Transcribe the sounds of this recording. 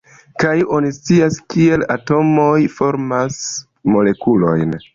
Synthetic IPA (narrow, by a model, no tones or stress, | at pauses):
kajo̞nist͡siaskie̞lato̞mo̞jfo̞ɾmas | mo̞le̞kulo̞̰jn